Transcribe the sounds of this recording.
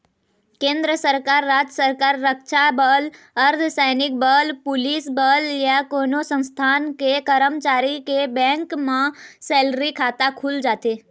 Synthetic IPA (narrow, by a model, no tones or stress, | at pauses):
kẽːnd̪ɾəsəɾkaːɾːaːd͡ʒəsəɾkaːɾːəkʃabəl | əɾd̪ʱsaɪnɪk̚bəlpʊlisbəljakonosə̃st̪ʰaːnkekəɾəmt͡ʃaːɾikebɛ̃ŋkmãseːlɾikʰaːt̪akʰʊld͡ʒaːt̪e